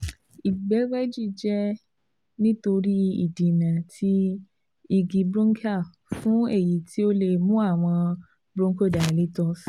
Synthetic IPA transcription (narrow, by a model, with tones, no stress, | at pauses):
i˨ɡ͡bɛ˨˦ɡ͡bɛ˦d͡ʒi˦˨d͡ʒɛ˦ | nĩ˦to˧ɾi˦ḭ˦˨dĩ˨nã˨tʰi˧ | i˨ɡi˨bɾõ˦ŋ˦kʰa˦˨ | fũ˦e˦˨ji˨˦ti˦o˦le˨mũ˦a˦˨w̃ɔ̃˧ | bɾũ˦ŋ˦ko˦˨da˨li˨˦tɔ˧˦f